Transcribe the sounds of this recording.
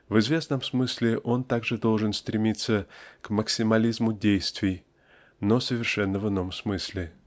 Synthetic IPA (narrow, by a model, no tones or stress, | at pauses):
vɨzvʲe̞snəmsmɨsʲlʲɪʔo̞nt̪aɡʐɨd̪o̞lˠʐɨnst̪ɾʲɪmʲit̪sːəkməksʲɪmɐlʲizmʊdʲejst̪vʲɪj | nosəvʲɪrʂɛnːəvɨnːo̞msmɨsʲlʲɪ